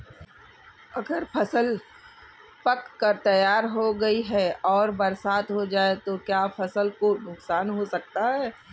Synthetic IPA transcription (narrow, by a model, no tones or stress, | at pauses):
ɐɡəɾpʰɐsəl | pɐkːɐɾt̪ɐjaːɾɦoɡɐiɦɛɔːɾbɐɾsaːt̪ɦod͡ʒaːet̪okjaːfʰɐsəlkonʊksaːnɦosɐk̚t̪aɦɛː